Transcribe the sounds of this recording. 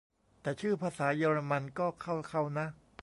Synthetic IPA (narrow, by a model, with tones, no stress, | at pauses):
t̪ɛː˨˩t͡ɕʰɯː˥˩pʰaː˧saː˩˦jaː˧ɾa˧ma˧nkɔː˥˩kʰa˥˩wkʰa˥˩wna˦˥